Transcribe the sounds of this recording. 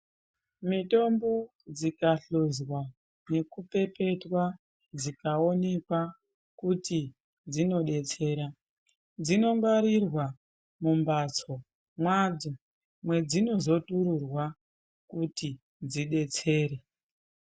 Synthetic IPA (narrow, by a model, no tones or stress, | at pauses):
mito̞mbo̞ | d͡zikaɬozwa | ne̞kupe̞pe̞twa | d͡zikao̞ne̞kwa | kuti | d͡zino̞ɗe̞t͡se̞ːɾa | d͡zino̞ŋɡaɾirwa | mumbat͡so̞ | mwad͡zo | mwe̞d͡zino̞zo̞tuɾurwa | kuti | d͡ziɗe̞t͡se̞ːɾe